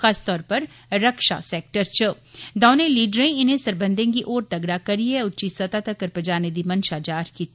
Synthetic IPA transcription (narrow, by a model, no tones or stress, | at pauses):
xaːst̪ɔːɾpɐɾ | ɾɐkʃa̰seːk̚ʈəɾt͡ʃʊ | d̪aːnẽliːɖɾẽɪnɦẽsɐɾbə̃nd̪ʱẽk̬iʔoːɾt̪ɐɡɽakɐɾiɛʊtːt͡ʃisɐt̪at̪ɐkɐɾpɐd͡ʒaːned̪imɐnʃad͡ʒaːɾki